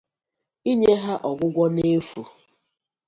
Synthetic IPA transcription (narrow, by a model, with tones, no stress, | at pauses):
i˦ɲe˦ɦa˦ʔɔ˨ɡʷʊ˦ɡʷɔ˦ne˦fu˨